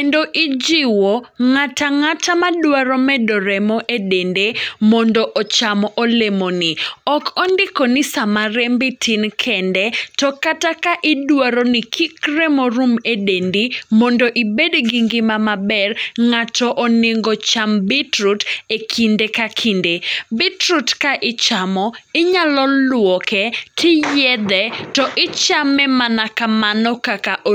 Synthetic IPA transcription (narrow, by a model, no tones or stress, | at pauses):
endoʔɪd͡ʒɪwoŋataŋatʰamadwaɾɔmɛdɔɾɛmɔʔedendemɔndɔʔɔt͡ʃamɔʔolemoniɔkɔndɪkonɪsamaɾɛmbɪtʰinkʰɛndɛtɔkatakaʔɪdwaɾɔnɪkʰikrɛmoɾumedendemɔndoʔɪbedɡɪŋɡɪmamabɛrŋatɔʔonɪŋɡɔt͡ʃambɪtɾutekʰindekakʰindebɪtɾutkaʔɪt͡ʃamɔɪɲalɔlwɔkɛkʰɪjɛd̪ɛtɔʔɪt͡ʃamɛmanakamanɔkakaʔo